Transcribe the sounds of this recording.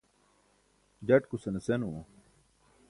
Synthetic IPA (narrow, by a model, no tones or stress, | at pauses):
d͡ʑɐʈkusɐnesenuõ